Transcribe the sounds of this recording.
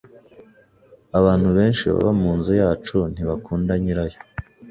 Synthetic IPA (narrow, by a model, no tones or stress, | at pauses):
aβaːn̥huβe̞ːnʃiβa̰βamuːnzujaːt͡ʃun̥iβakuːndaɲiɾajo